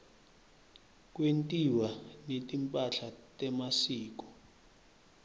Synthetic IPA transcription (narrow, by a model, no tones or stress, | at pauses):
k̬ʼwentʼiwanetʼimpʼaɬatʼɛmasiːk̬ɔ̥